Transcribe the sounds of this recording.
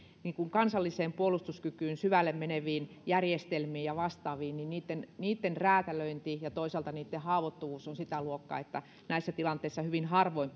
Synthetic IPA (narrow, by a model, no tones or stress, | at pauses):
niːkuŋkɑnsɑlːiseːmpuolust̪uskykyːnsyʋælːemmeneʋiːn | jærjest̪elmiːjjɑʋɑst̪ɑːʋiːnninniːt̪ːenniːt̪ːenræːt̪æløint̪ijɑt̪oisɑlt̪ɑniːt̪ːehɑːʋot̪ːuʋuːsonsit̪æluokːɑ̰ːet̪ːæ | næisːæt̪ilɑnt̪ːˑeisːɑhyʋinhɑrʋoimp